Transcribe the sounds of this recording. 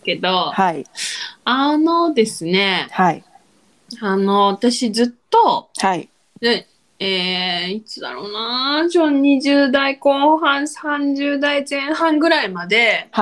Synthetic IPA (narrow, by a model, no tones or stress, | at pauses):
ke̞d̪o̞hai | ano̞d̪e̞sɨne̞hai | ano̞βat̪aɕid͡zɨt̪ːo̞hai | ne | eːit͡sɨd̪a̰ɾo̞ːnat͡ɕoɲ̟iʑɨːd̪aiko̞ːhãɰ̃sãɲ̟d͡ʑɨːd̪aizẽ̞ɰ̃hãŋɡɯ̟ɾaimad̪e̞